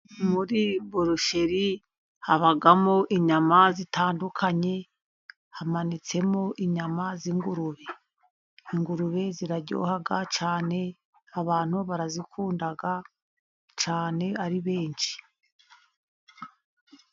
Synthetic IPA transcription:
muɾiboɾuʃe̞ɾi | haβaɡamo̞ʔiɲamazitʰaːndukʰaɲe̞ | hamanit͡se̞mo̞ʔiɲamaziŋɡuɾuβe̞ | iŋɡuɾuβe̞ziɾaɟo̰ːhaɡat͡ʃaːne̞ | aβaːn̥huβaɾazikʰuːndaɡa | t͡ʃaːne̞aɾiβe̞ːnʃi̥

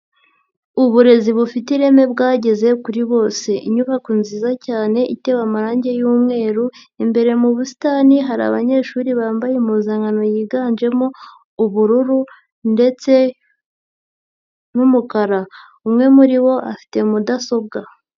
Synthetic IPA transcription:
uβuɾe̞ziβufitiɾe̞me̞bɡaːɟe̞ze̞kuɾiβo̞ːse̞ʔḭɲuβakunziːzacaːne̞ʔite̞βamaɾaːɲɟe̞juːmŋe̞ːɾu | imbe̞ɾe̞muβusi̥taːniɦaɾa̰βaɲe̞ːʃuːɾiβaːmbajemuzaːŋɡano̞jiːɡaːnd͡ʒe̞mo̞ | uβuɾuɾu | nde̞t͡se̞ | numukaɾa | umŋe̞muɾiβo̞ʔa̰fi̥te̞mudaso̞bɡa

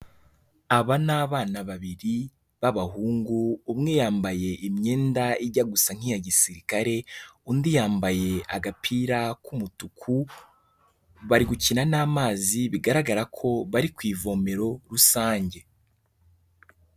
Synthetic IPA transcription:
aβanaːβaːnaβaβiɾi | βaβaɦuːŋɡuːmŋe̞jaːmbaje̞ʔimɲe̞ːndaiɾɟaɡusaŋ̥ijaɟisiɾikaɾe̞undijaːmbaje̞aɡapʰiːɾakʰumutukʰu | βaɾiɡucinanaːmaːziβiɡaɾaɡaɾakʰo̞βaɾikwiːvo̞ːme̞ɾo̞ɾusaːɲɟe̞

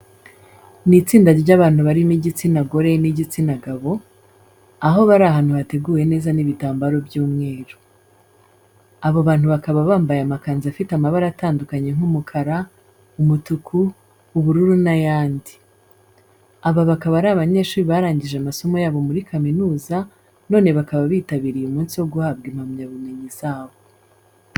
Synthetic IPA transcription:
nit͡siːndaɟaβaːn̥huβaɾimiɟit͡sinaɡo̞ɾe̞niɟit͡sinaɡaβo̞ | aɦo̞βaɾaɦaːn̥huβate̞ɡuːje̞ne̞ːzaniβitaːmbaɾo̞bjuːmŋe̞ːɾu | aβoβaːn̥huβakaβaβaːmbajamakaːnziafitamaβaɾaataːndukaɲe̞ŋ̥umukʰaɾa | umutukʰuː | βuɾuɾunajaːndi | aβaβakaβaɾaːβaɲe̞ːʃuːɾiβaɾaːɲɟiʒeamaso̞mo̞jaːβo̞muɾikaminuːza | no̞ːne̞βakaβaβiːtaβiɾijeumuːnsiwo̞ɡuhab̚ɡimamɲaβume̞ɲizaːβo

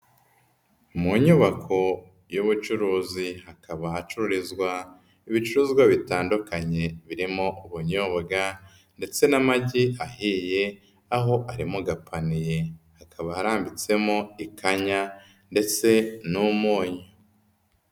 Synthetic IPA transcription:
muɲuβakʰo̞ | juβut͡ʃuɾuːzihakaβahat͡ʃuɾuɾizɡwa | iβit͡ʃuɾuːzɡwaβitaːndukaɲe̞βiɾimo̞uβuɲoβaɡa | nde̞t͡se̞namaɟiahije̞ | aɦo̞ʔaɾimuɡapʰanije̞hakʰaβahaɾaːmbit͡se̞moikʰaɲa | nde̞t͡se̞numoːɲo

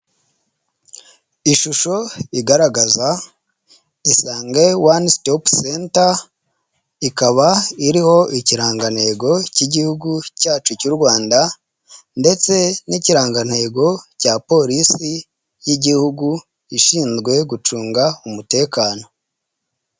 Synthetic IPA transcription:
iʃuʃo̞iɡaɾaɡaza | isaːŋɡewanstopsenta | ikaβaiɾiho̞ʔiciɾaːŋɡan̥he̞ːɡo̞ciɟihuɡucaːt͡ʃucuɾɡwaːnda | nde̞t͡se̞niciɾaːŋɡan̥he̞ːɡo̞caːpo̞ɾisi | jiɟihuɡu | iʃiːnzɡwe̞ɡut͡ʃuːŋɡaumute̞ːkaːno̞

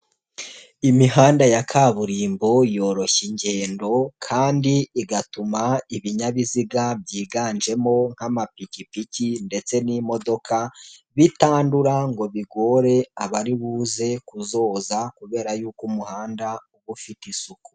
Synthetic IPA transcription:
imiɦaːndajakʰaβuɾiːmbo̞jo̞ːɾo̞çiɲɟe̞ːndo̞kʰaːndiiɡatumaiβiɲaβiziɡabɟiːɡaːnd͡ʒe̞mo̞ŋ̥hamapicipicinde̞t͡se̞nimo̞do̞kʰaβitaːnduɾaŋɡo̞βiɡo̞ːɾe̞aβaɾiβuːze̞kuzo̞ːzakuβe̞ːɾajuːkumuhaːndauβufitisuku̥

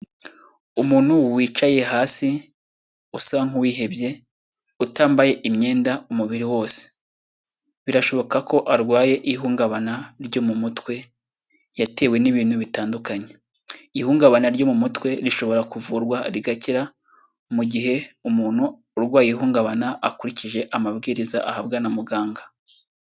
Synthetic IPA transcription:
umuːn̥huwiːt͡ʃaje̞haːsi | usaŋ̥uwiːɦe̞bje̞ | utaːmbaje̞ʔimɲe̞ːndaumuβiɾiwo̞ːse̥ | βiɾaʃo̞βo̞kako̞ʔaɾɡwaːje̞ʔiɦuːŋɡaβanaɾɟo̞mumutwe̞ | jate̞ːwe̞niβiːn̥huβitaːndukaɲe̞ | ihuːŋɡaβanaɾɟo̞mumutwe̞ɾiʃo̞βo̞ɾakuvuːɾɡwaɾiɡaciɾa | muɟiɦe̞umuːn̥huː | ɾɡwaːjihuːŋɡaβanaakuɾiciʒe̞ʔamabɡiːɾizaʔahabɡanamuɡaːŋɡa

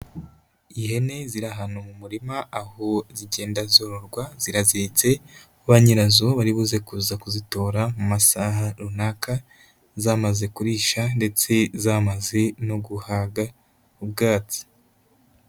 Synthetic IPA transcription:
iɦe̞ne̞ziɾaɦanomumuɾimaahoziɟe̞ːndazoɾoɾɡwaz̥iɾaziit͡se̞ | uβaɲiɾazo̞βaɾiβuzekuzakuzito̞ːɾamumasaɦaɾunaka | zaːmaze̞kuɾiːʃande̞t͡se̞zaːmaze̞no̞ɡuhaːɡa | ub̚ɡaːt͡si̥

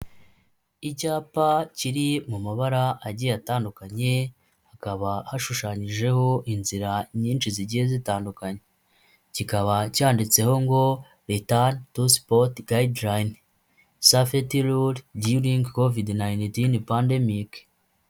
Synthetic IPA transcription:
icaːpaciɾimumaβaɾaʔaɟijataːndukaɲe̞ | hakaβahaʃuʃaːɲiʒe̞ho̞ʔinziɾaɲiːnt͡ʃiziɟihezitaːndukaɲe | cikaβacaːndit͡se̞ho̞ŋɡo̞ | ɾetantuspotɡajdlajn | safetiluɾdiɾiŋɡkovidnajntinpande̞mik

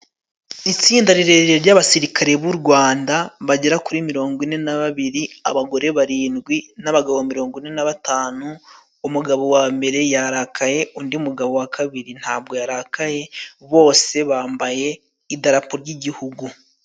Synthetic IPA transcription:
it͡siːndaɾiɾe̞ɾiɾeɾɟaβasiɾikʰaɾe̞βuɾɡwaːndaβaɟeɾakuɾimiɾo̞ːŋɡwine̞naβaβiɾia̰βaɡo̞ɾe̞βaɾiːnɡwinaβaɡaβomiɾo̞ːŋɡwine̞naβataːnuː | muɡaβo̞waːmbe̞ɾe̞jaɾakʰaje̞undiumuɡaβo̞wakʰaβiɾin̥haːb̚ɡo̞jaɾakaje̞βo̞ːse̞βaːmbaje̞ | idaɾapoɾɟiɟihuɡu

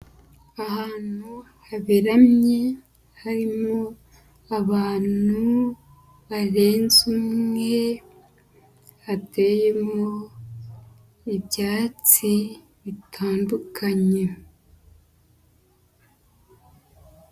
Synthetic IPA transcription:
ahaːn̥u | haβiɾamɲe̞ | haɾimo | aβaːnu | βaɾe̞ːnzumŋe̞ | hateːje̞mo | ibjaːt͡si | βitʰaːndukʰaɲe̞

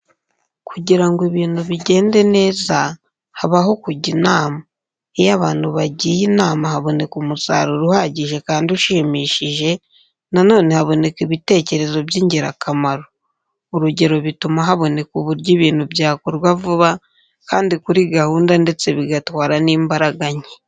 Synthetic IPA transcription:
kʰuɟiɾaŋɡoeβiːn̥huβiɟe̞ːnde̞ne̞ːza | haβaɦo̞kuɟinaːma | ejaβaːn̥huβaɟijinaːmahaβo̞ne̞kumusa̰ːɾuɾuhaɟiʒe̞kaːndiuʃiːmiːʃiʒe̞ | nano̞ːne̞haβo̞ne̞kiβite̞ːce̞ɾe̞zo̞bjiːɲɟiɾa̰kʰamaɾo | uɾuɟe̞ɾo̞βitumaɦaβo̞ne̞kuβuɾɟiβiːnhubjaːkuɾɡwavuβa | kaːndikuɾiɡahuːndande̞t͡se̞βiɡatwaːɾaniːmbaɾaɡaɲe

